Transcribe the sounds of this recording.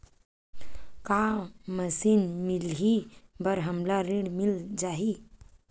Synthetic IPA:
kaməsiːnmilɦibəɾɦəmlaɾiɽmild͡ʑaɦi

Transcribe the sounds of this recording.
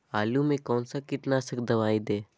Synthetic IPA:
aːlumẽkɔːnsakɪʈnasəkd̪ɐʋaːid̪eː

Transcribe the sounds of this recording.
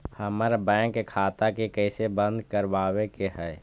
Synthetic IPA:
həməɾbɛ̃ːkːekʰaːt̪akekɛːsebə̃nd̪kəɾʋaːwekeɦɛː

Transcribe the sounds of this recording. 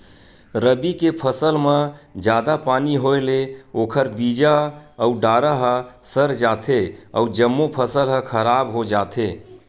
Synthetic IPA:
ɾəbikepʰəsəlmẽd͡ʒad̪apaniɦoeleokʰəɾbid͡ʒaəuɖaɾaɦəsəɾd͡ʒat̪ʰeəud͡ʒəmːopʰəsəlɦəkʰəɾabɦod͡ʒat̪ʰe

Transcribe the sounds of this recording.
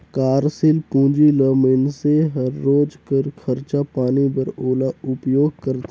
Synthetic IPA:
kaːɾsɪlpũːd͡ʒiləːmɪnseɦɐɾːoːd͡ʒkəɾkʰəɾt͡ʃapaːnibəɾoːlaʊpjoːɡ̚kəɾt̪

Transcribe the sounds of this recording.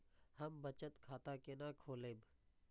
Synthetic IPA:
həmbət͡ʃət̪kʰaːt̪akenãːkʰoːleːb

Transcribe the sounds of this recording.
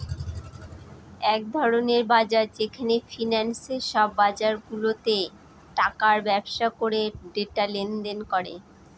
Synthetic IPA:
ɛk̚d̪ʱɔɾoneɾbad͡ʑaɾd͡ʑekʰanefʰinɛnseʃɔbːad͡ʑaɾɡulot̪e | ʈakaɾbɛbʃakoɾeɖeʈalend̪enkɔɾḛ

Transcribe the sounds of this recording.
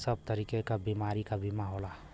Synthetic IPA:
səb̚t̪əɾiːkekabimaːɾikabʱimaɦoːla

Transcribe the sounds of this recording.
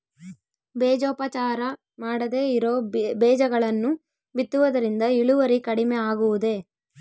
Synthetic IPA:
beːd͡ʒoːpɐt͡ʃaːɾɐ | maːɽɐd̪e̞ːiɾoːbɛːd͡ʒɐɡɐɭɐnːu | bit̪ːuʋɐd̪ɐɾind̪ɐiɭuʋɐɾikɐɽimeaːɡuʋud̪e̞

